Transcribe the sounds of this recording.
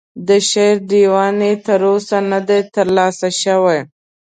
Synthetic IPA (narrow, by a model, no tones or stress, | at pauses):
d̪əʃeɾd̪iwɑnet̪əɾosanad̪ajt̪əɾlɑsaʃəwaj